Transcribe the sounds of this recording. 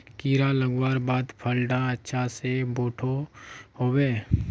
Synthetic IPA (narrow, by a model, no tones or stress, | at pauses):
kiːɾaləɡwaːɾbaːd̪pʰəlɖãətːʃʰaseboːʈʰohoːweː